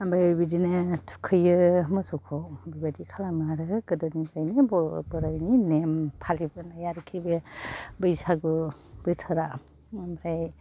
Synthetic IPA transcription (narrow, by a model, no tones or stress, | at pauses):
ambajbidinetʰu̥kʰɯjɯmɯsukʰowbibadikʰalamaɾɯkɯdɔnizajnebɔ̰bɯɾajninempʰalibɯnajaɾkʰibebɯjsaɡubɯtʰaɾa | amɾaj